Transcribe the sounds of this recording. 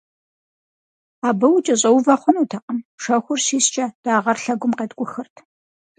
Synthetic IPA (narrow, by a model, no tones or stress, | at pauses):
aːbɐwt͡ʃʼɐɕʼɐwvɐχʷʊnuːtʰɐqəmʂɐxʷʊrɕiːst͡ʃʼɐd̥aːʁɐrɬɐɡʷʊmqeːdɡʷʼʊxɨrtʰ